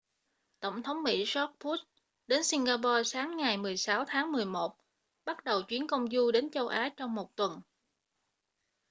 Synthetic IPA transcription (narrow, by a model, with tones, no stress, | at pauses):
t̪ə̰˧˩wŋ͡mt̪ʰə˨˦wŋ͡mmḭ˧˥zɔ˦˥t̚pu˦˥t̚ | ɗe˨˦nsi˧ŋɣaː˧pɔ˧saː˨˦ŋːa˨˩jmɨ˨˩əjsaː˨˦wt̪ʰaː˨˦ŋmɨ˨˩əjmo˨˩t̚ | ɓa˦˥t̚ɗə˨˩wt͡ɕwi˨˦ənkə˧wŋ͡mzu˧ɗe˨˦nt͡ɕə˧wʔaː˨˦t͡ɕɔ˧wŋ͡mmo˨˩t̚t̪wə˨˩n